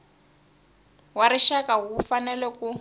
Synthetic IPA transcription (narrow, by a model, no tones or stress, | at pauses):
waɾiʃakaufanɛlɛku